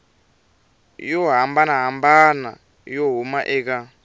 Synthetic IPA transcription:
jɔɦambanaɦambana̰ | joɦumaʔɛːka

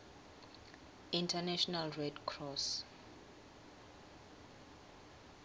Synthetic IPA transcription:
ĩntʰanɛʃɔnalɹɛdkʰrɔs

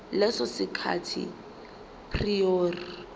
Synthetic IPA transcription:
lɛsɔsikʰa̰tʰḭ | pʰrioːri

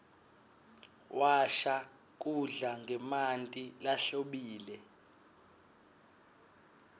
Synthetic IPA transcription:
wʔaʃa | k̬ʼuɮaŋɡʱɛmantʼilaɬoɓiːlɛ

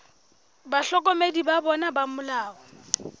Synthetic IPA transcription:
baɬɔkʼɔmedibabɔnabamʊlaːɔ

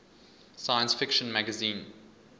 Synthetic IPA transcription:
sajə̃nsfɪkʃə̃nmæɡəzĩːn

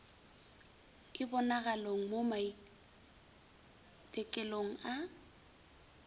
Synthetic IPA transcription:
kʼɪbɔnaɣaloŋ̩momai | tʼɛkʼɛloŋ̩a

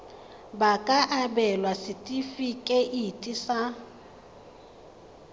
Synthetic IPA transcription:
bakʼaʔabɛlwasɪtʼifikʼɛʔitʼisa

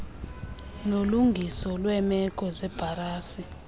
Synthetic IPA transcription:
noluŋɡʱisɔlwɛmɛk̬ʼɔzɛb̥ʱaraːsi

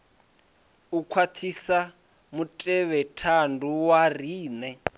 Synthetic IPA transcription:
ukʰwatʰisa | mutʼɛβɛtʰandʱuwar̤iːnɛ

